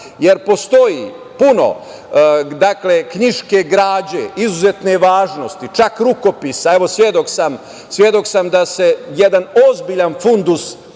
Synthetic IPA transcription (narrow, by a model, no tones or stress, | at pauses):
je̞ɾpo̞st̪o̞ji | puno̞̰ | d̪akle̞kɲiʃke̞ɡɾaːd͡ʑeizuzet̪ne̞ʋaːʒno̞st̪it͡ʃakɾuko̞pisae̞ʋo̞sʋjed̪o̞ksam | sʋje̞d̪o̞ksamd̪ase̞jed̪ano̞zbiʎanfund̪us